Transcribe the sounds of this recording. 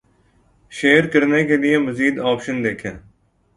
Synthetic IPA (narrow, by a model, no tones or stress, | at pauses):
ʃeːəɾkəɾnekelɪeməziːd̪aːpʃənd̪eːkʰẽː